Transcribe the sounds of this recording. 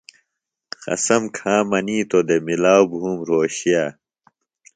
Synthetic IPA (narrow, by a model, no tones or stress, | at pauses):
xɐ̰sɐmkʰãːmɐniːt̪od̪emilaːwbɦuːmɾoːɕija